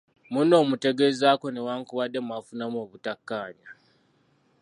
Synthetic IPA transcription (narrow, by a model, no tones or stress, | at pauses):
muno̞ːmute̞ɡe̞zaːko̞newaːŋkuβadːe̞mwafunamo̞ːβutakːaːɲa